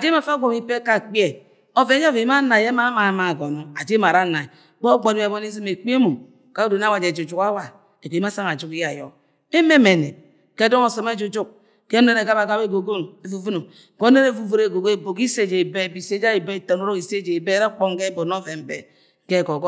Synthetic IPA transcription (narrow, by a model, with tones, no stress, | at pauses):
a˨d͡ʒe˦ma˨fa˦ɡʷo˨mi˦pe˦ka˦˨k͡pi˦e˦˨ | o˦ve˨˦a˦ve˨i˦m˦a˦na˨je˦ma˦ma˨ma˨ɡo˨no˨a˨d͡ʒe˦ma˨ɾa˦na˨i˨ | k͡po˦ɡ͡bo˨dbo˦n˦i˦zi˦me˨k͡pe˦mu˨ | ka˦u˦do˨n˦a˦wa˨d͡ʒe˨d͡ʒu˨d͡ʒu˨ka˦wa˨ | e˨k͡pe˨i˦a˦sa˦ŋa˨d͡ʒu˦ki˦ja˨jo˨ | e˦me˦me˨ne˨ | ke˦do˦ŋo˨so˨me˦d͡ʒu˨d͡ʒu˦k̚ | ke˦ne˦ɾe˨ɡa˦ba˨ɡa˦be˦ɡo˨ɡo˦n˨e˨vu˨vu˦no˨ | ɡo˦ne˦ɾe˦vu˨vo˦ɾe˨ɡo˨ɡe˦bo˨ki˦se˨d͡ʒe˨be˦˨bi˨se˦d͡ʒa˦i˨be˦˨to˨no˦ɾo˦ki˨se˦d͡ʒe˨be˦ɾe˦k͡po˦ŋ˦ɡe˦bo˨no˦ve˨m̩˦bḛ˨ | ke˦˨ɡo˨ɡ